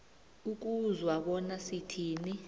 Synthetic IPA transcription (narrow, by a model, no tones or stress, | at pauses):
uk̬uzwaɓɔnasitʰiːni